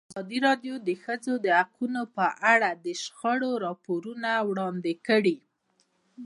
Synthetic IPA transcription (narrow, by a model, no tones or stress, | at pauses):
azɑd̪iɾɑɖjod̪əxəzod̪əhaqunopəʔaɽad̪əʃxəɽoɾɑpoɾunawɽɑnd̪ɪkəɽi